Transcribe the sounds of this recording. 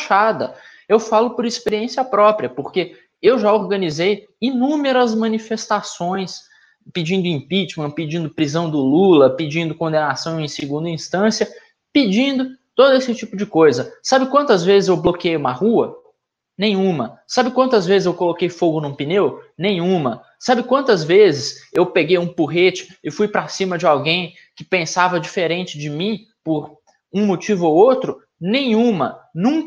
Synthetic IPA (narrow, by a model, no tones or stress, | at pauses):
ʃad̪ɐ | ewfalʊpʊɾispeɾiẽsiɐpɾɔpɾiɐpoɾke | ewʒaoɾɡɐnizej | inũmeɾɐzmɐ̃nifest̪asõj̃s | pid͡ʒĩnd̪ʊĩpit͡ʃmɐ̃pɪd͡ʒĩnd̪ʊpɾizɐ̃w̃d̪ʊlulɐpɪd͡ʒĩnd̪ʊkõnd̪enasɐ̃w̃ẽj̃sɪɡũnd̪ɐĩst̪ɐ̃siɐ | pid͡ʒĩnd̪ʊt̪od̪ʊesɪt͡ʃipʊd͡ʒɪkojzɐsabɪkwɐ̃nt̪ɐzvezɪzewblokiejũmɐhuɐ | nẽj̃ũmɐsabɪkwɐ̃nt̪ʊɐzvezɪzewkolokejfoɡʊnũpinewnẽj̃ũmɐ | sabɪkwɐ̃nt̪ɐzvezɪsewpeɡejũpuɦet͡ʃɪ̥ɪfujpɾasĩmɐd͡ʒɪawɡẽj̃ | kɪpẽsavɐd͡ʒifeɾẽnt͡ʃɪd͡ʒɪmĩ | pʊɾ | ũmot͡ʃivʊowowt̪ɾʊ | nẽj̃ũmɐnũk